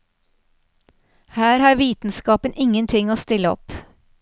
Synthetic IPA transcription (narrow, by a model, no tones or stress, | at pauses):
hæːɾhɑːɾʋiːt̪n̩skɑːpənʔɪŋənt̪ʰɪŋoːst̪ɪləɔ̰p